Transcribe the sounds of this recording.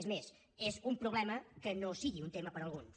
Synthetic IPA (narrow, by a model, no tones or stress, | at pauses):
zmez | ezumpɾuβ̞lɛməkənosiɣiunt̪eməpəɾəlˠɣun